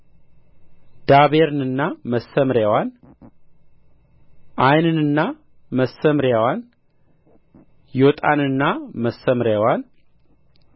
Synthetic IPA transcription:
d̪̥aβeɾɨnɨnːaməsːəmɾjawan | ʔajnɨnɨnːa | məsəmɾjawan | jot̪ʼa̰nɨnːaməsəmɾjawan

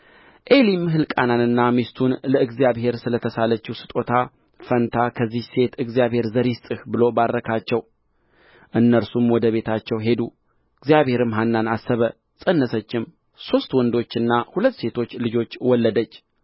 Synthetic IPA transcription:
ʔe̞limɨɦɨlkʼananɨnːamist̪ʰunləɨɡzjaβɦe̞ɾsɨlət̪ʰəsalət͡ʃːuwsɨ̥t̪ʼo̞t̪ʰa | fənt̪ʰakʰəzːihse̞t̪ɨɡzijaβhe̞ɾzəɾist̪ʼɨhbɨlo̞baɾːəkʰat͡ʃːɛw | ʔɨnːəɾsumwɔd̪əβe̞t̪ʰat͡ʃːɛwɦe̞d̪u | ɨɡzjaβhe̞ɾɨmɦanːanasːəβə | sʼənːəsət͡ʃːɪm | so̞st̪wɔnd̪o̞t͡ʃːɨnːahulət̪ːse̞t̪ʰo̞t͡ʃːlɨd͡ʒo̞t͡ʃːwɔlːəd̪ət͡ʃː

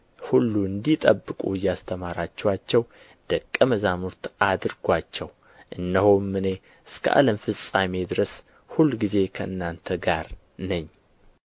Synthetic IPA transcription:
hulːuɨnd̪it̪ʼəbːɨkʼuɨjːast̪ʰəmaɾat͡ʃːɛwat͡ʃːɛw | d̪̥əkʼːəməzamuɾt̪ʔad̪ɨɾɡʷat͡ʃːɛw | ʔɨnːəhomːɨne̞ | ɨskʰə̰ʔa̰ləmfɨsʼame̞d̪ɨɾəs | hulːɡize̞kʰəʔɨnːant̪ʰəɡaɾ | nəɲː

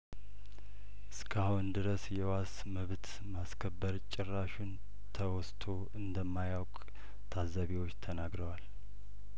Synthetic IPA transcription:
ʔɨskʰahund̪ɨɾəsjɛwas | məβt̪ | maskʰəbːəɾt͡ʃʼɪrːaʃun | t̪ʰəwɔst̪ʰo̞ | ɨnd̪əmːajawkʼ | t̪ʰazːaβiwot͡ʃːt̪ʰənaɡɾəwal

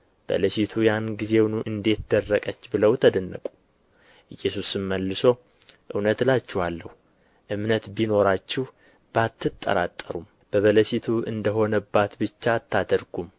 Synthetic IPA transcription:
b̥ə̰ləʃit̪ʰujanɡize̞wnuʔɨnd̪e̞t̪d̪ərːəkʼət͡ʃːbɨləwt̪ʰəd̪ənːə̰kʼu | jɛsusɨmːəlːɨso̞ | ʔɨwnət̪lat͡ʃːɛwalːəhu | ʔɨmnət̪bino̞ɾat͡ʃːɪh | b̥at̪ːɨt̪ʼːə̰ɾat̪ʼːəɾum | b̥əβələʃit̪ʰuɨ̰nd̪əɦo̞nəbːat̪bɨt͡ʃːat̪ʰːad̪əɾɡum

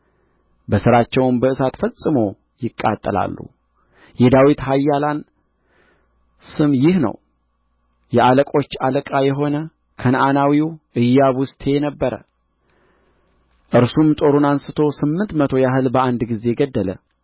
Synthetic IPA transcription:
bəsɨɾat͡ʃːɛwnbəɨsat̪fəsʼɨmo | jɪkʼːa̰t̪ʼːəla̰lːṵ | jɛd̪awit̪hajːalan | sɨmjɪhnə̰w | jɛʔaləkʼo̞t͡ʃːaləkʼajɛɦo̞nə | kʰənʔanawiʔɨjːaβʊst̪ʰenəbːəɾə̰ | ʔɨɾsumt̪ʼo̞ɾunansɨt̪ʰo̞sɨmːɨnt̪mət̪ʰo̞jaɦɨlbəand̪ɡize̞ɡəd̪ːələ̰

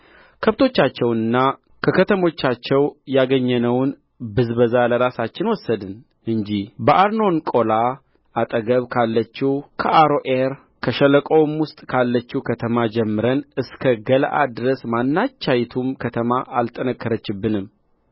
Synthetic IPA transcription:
kʰəβt̪ʰo̞t͡ʃːat͡ʃːɛwnɨnːa | kʰəkʰət̪ʰəmo̞t͡ʃːat͡ʃːɛwjaɡəɲːɛnəwn | bɨzbəzaləɾasat͡ʃːɪnwɔsːəd̪ɨn | ʔɨɲd͡ʒibəʔaɾno̞nkʼo̞la | ʔat̪ʼəɡəβkʰalːət͡ʃːukʰəʔaɾoʔeɾ | kʰəʃələkʼo̞mwʊst̪ʼkʰalːət͡ʃːukʰət̪ʰəmad͡ʒɛmːɨɾənɨskʰəɡəlʔad̪ɨɾəsmanːat͡ʃːajt̪ʰumkʰət̪ʰəmaʔalt̪ʼənəkːəɾət͡ʃːɪbːɨnɨmː

